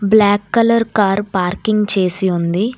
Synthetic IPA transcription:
blaːkːɐlɐɾkaːɾpaːɾkiŋɡt͡ʃeːsiund̪i

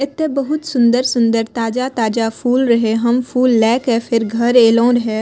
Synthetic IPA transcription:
ɪt̪ːebəɦʊt̪sʊ̃nd̪əɾsʊ̃nd̪əɾt̪aːd͡ʒat̪aːd͡ʒapʰuːlɾɐɦeɦɐmfʰuːlːɛːkɦɛfʰɪɾɡʱɐɾeːlõɾɐɦe

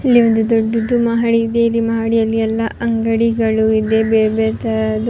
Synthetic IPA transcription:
ilːiond̪ud̪oɖːud̪umɐɦɐɽiːd̪eilːimɐɦɐɽijɐlːiɛlːɐʔɐŋɡɐɽiɡɐɭuid̪ebebɛt̪ɐd̪

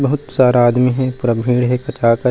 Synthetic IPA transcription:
bɐɦʊt̪saːɾaaːd̪miɦɛpʊɾabʱiːɽɦɛkɐt̪ʰaːkɐ

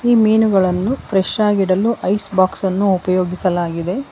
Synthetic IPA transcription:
iːmiːnuɡɐɭɐnːupʰɾeʃaːɡiɽɐluʔɐjsbaːksɐnːuːpɐjoːɡisɐlaːɡid̪e̞

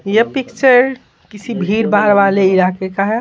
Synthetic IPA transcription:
jəpɪkt͡ʃəɾ | kɪsibʱiːɾbaːɾʋaːleɪɾaːkekaɦ

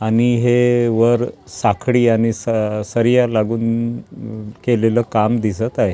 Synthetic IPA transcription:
aniɦeʋəɾsakʰɽiːañisəsəɾjalaɡuːn | keleləːkamd̪is̬ət̪ae

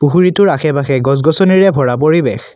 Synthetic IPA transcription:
puɦuɹitʊɹaxʰɛbaxɛɡɔz̬ɡɔsɔniɹɛbʱɔɹap̬oɹibex

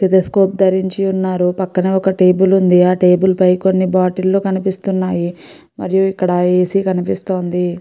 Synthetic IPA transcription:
t̪it̪ɐskoːp̚d̪ɐɾiɲt͡ʃiunːaːɾupɐkːɐneːɔkɐʈe̞ːbulund̪iaːʈe̞ːbulpɐjko̞nːibaːʈilːoːkɐnipist̪unːaːji | mɐ̰ɾijuikːɐɽɐe̞ːsikɐnipist̪o̞ːnd̪i

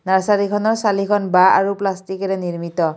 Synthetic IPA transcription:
naɹsalikʰɔnɔɹsalikʰɔnbaa̰ɹuplastikɛɹɛniɹmit̪ɔ

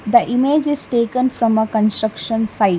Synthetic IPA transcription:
d̪əʔɪmed͡ʒɪzʈeːkə̃nfɾɔ̃məkə̃nsʈɾʌkʃə̃nsaɪ

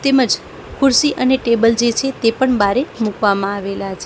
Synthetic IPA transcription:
t̪eməd͡ʒ | kʰʊɾsiʔəneʈebəld͡ʒet͡ʃʰet̪epəɳbʱaɾemukʋamãaʋelat͡ʃʰe

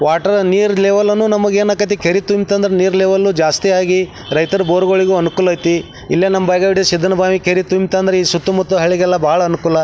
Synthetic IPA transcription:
ʋaːʈɐɾniːɾleːʋɐlɐnːunɐmɐɡeːnaːkɐt̪̬ikʰeɾit̪umt̪ɐnd̪ɐɾeniːɾleːʋɐlːud͡ʒaːst̪ijaːɡi | ɾɐjt̪ɐɾɐboːɾuɡoɭiɡuːɐnukuːlɐjt̪i | ilːenɐmɐbɐjɡaːʋiʈid̪eʃid̪ʱːɐnɐbʱaːmikeɾit̪umt̪aːnd̪ɐɾeiːsut̪ːumɐt̪ːuɦɐɭːiɡɛlːɐbɐːɐɭɐːnukuːlɐ

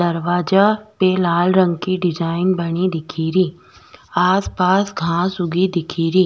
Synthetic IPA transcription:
d̪ɐɾʋaːd͡ʒapelaːlɾə̃ŋɡkiɖɪd͡ʒaːɪnbɐɽ̃id̪ɪkʰiːɾiː | aːspaːsɡʱãːsʊɡid̪ɪkʰiːɾiː

